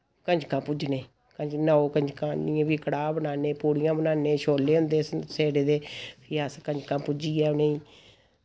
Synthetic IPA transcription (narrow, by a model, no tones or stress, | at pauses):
kəɲd͡ʒkãːpʊd͡ʒneː | kəɲd͡ʒnaːoːkəɲd͡ʒkãːnɪjãbiːkəɽaːbənaːneːpuːɽɪjãːbənaːnẽːʃoːleːɦʊ̃nd̪eːseːɽeːd̪eːpʰɪjaːskəɲd͡ʒkãːpʊd͡ʒiːɛːneːĩː